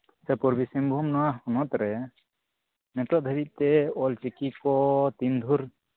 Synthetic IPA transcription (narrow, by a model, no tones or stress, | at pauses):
sɛpɔɾbisimbʱumnɔwaɔnɔt̪ɾɛ | nɛt̪ɔʔd̪ʱəɾit̪̚t̪ɛɔlt͡ʃikikɔt̪ind̪ʱuɾ